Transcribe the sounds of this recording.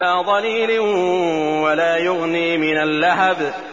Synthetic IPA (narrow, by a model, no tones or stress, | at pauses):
aːðˤɑliːlɪ | walaːjʊɣniːmɪnalːaɦab